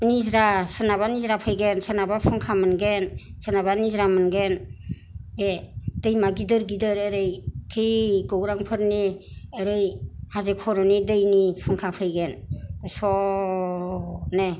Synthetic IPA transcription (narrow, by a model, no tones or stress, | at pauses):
nizɾasɯnaβanizɾapʰɯjɡensənabapʰɯŋkʰamɯnɡensənaβanizɾamɯnɡen | bed̥əjmaɡidɯɾɡidɯɾeɾɯjtʰɯjɡɔwɾaŋpʰɯɾniəɾɯjhazekʰɔɾɔnidɯjnipʰɯŋkʰapʰɯjɡenɯsɔ | ne